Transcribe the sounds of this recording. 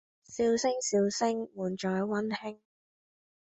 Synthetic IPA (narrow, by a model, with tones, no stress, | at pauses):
siː˧wsɪ˥ŋsiː˧wsɪ˥ŋmuː˨˩nt͡ʃɔː˨˧jwɐ˥nhɪ˥ŋ